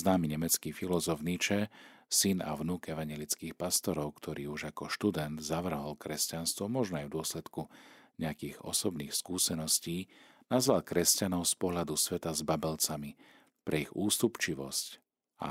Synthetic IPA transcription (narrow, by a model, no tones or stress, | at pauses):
znaːmiɲɛmɛt͡skifilɔzɔfnit͡ʃɛsina̰ʋnuːkɛʋaɲɛlit͡skiːxpast̪ɔɾɔʊkt̪ʰɔɾiːuʒakɔʃt̪ud̪ɛnd̪zaʋr̩ɦɔlkɾɛscanst̪ʋɔmɔʒnɔajvd̪ʊɔslɛt̪kuɲɛakiːɣɔ̰sɔbniːxskuːsɛnɔsciːnazʋalkɾɛscanɔʊspɔɦʎad̪usʋɛt̪azbabɛlt͡sami | pɾʔɛiɣuːst̪upt͡ʃiʋɔ̰sc | a̰